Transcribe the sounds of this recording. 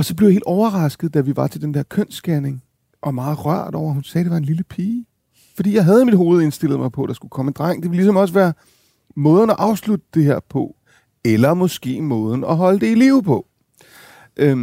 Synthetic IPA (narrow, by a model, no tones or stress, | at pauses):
ɒ̽sɒ̽b̥leʊjhe̝ːld̥ɒʊɐʁɑ̈sɡ̥ð̩ˠd̥æʋiʋɑ̈t͡sʰe̝ld̥end̥eɐ̰kʰøn̰sɡ̥æne̝ŋ | ʔɒ̽mɑ̈ːð̞̩ˠʁɶɐ̰d̥ɒ̰ʊ̰ɐɦhunsɛːd̥e̝ʋɑ̈e̝nliləpʰiː | fɒ̽d̥ḭːjɑ̈ɪɦæð̞ˠmid̥ɦo̝ːð̞̩ˠe̝nsd̥e̝l̰ð̞̩ˠmɑ̈ɪpʰɒ̽d̥ɑ̈sɡ̥ukʰɒ̽mənd̥ʁɑŋ̰d̥eʋelis̬ɒ̽mɒ̽s̬əʋæːɐ | mɔ̽ːð̞ˠn̩ɒʔɑ̈ʊslud̥əd̥e̝ɦeɐ̰pʰɒ̽ | elɐmɔ̽sɡ̥e̝̰ːmɔ̽ːð̞ˠn̩ɒɦɒ̽ləd̥e̝iliʊpʰɒ̽ | ʔø